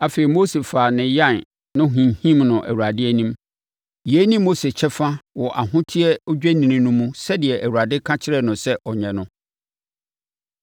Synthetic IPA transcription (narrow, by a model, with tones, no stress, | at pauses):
a˨fe˨i˨mo˦se˨faː˨nɪ̃˨jã˦˨n | nʊ̃˦ɦĩ˨hĩ˦mnʊ̃˨ʔæ̰˨wu˨a˨dɪ˦æ˦nĩ˦m | jnĩ˦mː˦o˦se˨t͡ɕʰɛ˦fa˦wɔ˨ʔa˨ɦʊ̃˦tʰɪ˦ɛ˦ɔ˦d͡ʑᶣæ˦nĩ˨nĩ˨nʊ̃˦mũ˦sɛ˦dɪ˨ɛ˨ʔæ˨wu˨ɾa˨dɪ˦kʰã˦t͡ɕʰɪ˦ɾɛ˦˨nʊ̃˨sɛ˦ʔɔ˨ɲɛ̃˨nʊ̃˦